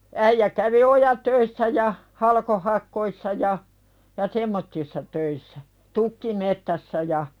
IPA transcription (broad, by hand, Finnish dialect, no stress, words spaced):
æijæ kæʋi ojætøisːæ jɑ hɑlkohɑkˑoisːɑ jɑ jɑ semːotːisːɑ tøisːæ tukːimettæsːæ jɑ